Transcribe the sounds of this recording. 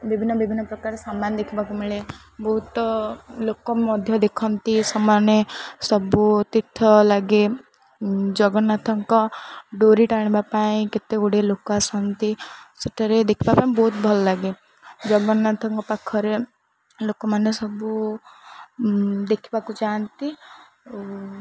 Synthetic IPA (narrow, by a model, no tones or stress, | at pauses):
bibʱinːɔbibʱinːɔpɾɔkaɾesamand̪ekʰibakumiɭe | bɔɦut̪lokɔmɔd̪ʱjɔd̪ekʰɔnt̪isɔmanesɔbut̪it̪ʰːɔlaɡe | d͡ʒɔɡɔnat̪ʰɔŋkɔɖoɾiʈaɽ̃ibapaĩket̪euɽelokasɔnt̪iseʈʰaɾed̪ekʰibapaĩbɔɦut̪̚bʱɔlɔlaɡe | d͡ʒɔɡɔnat̪ʰɔŋkɔpakʰɔɾe | lokɔmanesɔbu | d̪ekʰibakut͡ʃant̪i